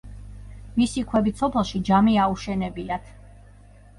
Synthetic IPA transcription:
misikʰwɛbisʰɔpʰɛlˠʃid͡ʒamiauʃɛnɛbinat̪ʰ

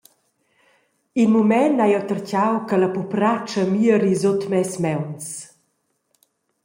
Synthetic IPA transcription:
inmumɛnːajɔt̪ərcawkəlapupɾat͡ʃəmiəɾizotmɛsmɛwns

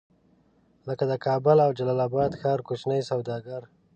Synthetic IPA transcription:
ləkad̪əkʰɑbʊlawd͡ʒalɑlɑbɑd̪xɑɾkut͡ʃnəjsawd̪ɑɡaɾ

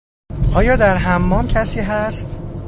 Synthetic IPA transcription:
ʔɒːjɒːd̪æɾɦæmːɒːmcʰæsiːɦæst̪

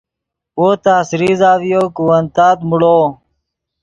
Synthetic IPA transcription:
oːt̪aːsɾiːzaːʋijoːkuwənt̪aːt̪muɽoː

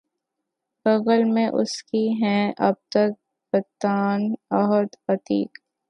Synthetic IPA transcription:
pɐɣəlmẽʔʊ̰skiɦɛ̃ɐ̰b̚t̪ək̚ | bɐt̪ːaːnɔɦəd̪xɐt̪iːk

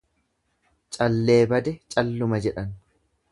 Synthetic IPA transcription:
t͡ʃʼɐlːe̞ːbɐd̪ɛt͡ʃʼɐlːʊmɐd͡ʒɛᶑɐn

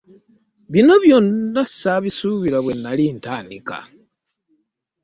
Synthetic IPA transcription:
βino̞βjonːassaβisuβiɾaβwenːaliːntaːndika̰

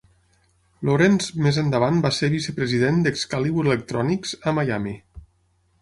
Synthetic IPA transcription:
loɾɛnzmezənd̪əβanbaseɾβisəpɾəziðend̪ekskaliβuɾelək̚t̪ɾɔnikz̥əmajami

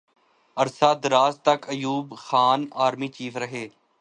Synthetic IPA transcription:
əɾsaːd̪ɾaːzt̪ɐkəjuːbxaːnaːɾmiːt͡ʃiːfʰɾəɦeː

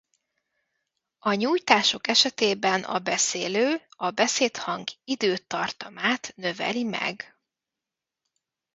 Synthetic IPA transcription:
ɒɲuːjt̪aːʃo̞kɛʃɛt̪eːbɛnɒ̰bɛseːløːɒbɛseːt̪hɒŋɡid̪øːt̪ːɒrt̪ɒmaːt̪nø̞vɛ̰limɛ̰ɡ

